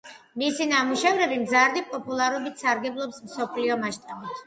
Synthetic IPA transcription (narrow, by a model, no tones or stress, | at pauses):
misinamuʃɛvɾɛbimzaɾd̪ipʼɔpʼulˠaɾɔbit̪ʰsaɾɡɛblˠɔpsmsɔpʰliɔmaʃt̪ʼabit̪ʰ